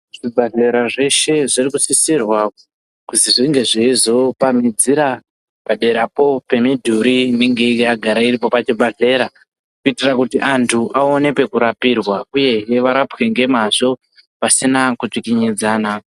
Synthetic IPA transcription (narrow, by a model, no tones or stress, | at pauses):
ʐ̥ibʱaɮe̞ɾaʐe̞ʃe̞ʐirikusisirwa | kusiʐiŋɡe̞ʐiizo̞pamid͡ziɾa | paɗe̞ɾapo̞pe̞midʱuɾineŋɡe̞iaɡʱaɾaiɾipo̞pat͡ʃibʱaɮe̞ɾa | kuitirakutiʔantʰuʔaone̞pe̞kuɾapirwauje̞ʋaɾapwe̞ŋɡe̞maʐo̞ | pasinakut͡ʂikiɲid͡zaːna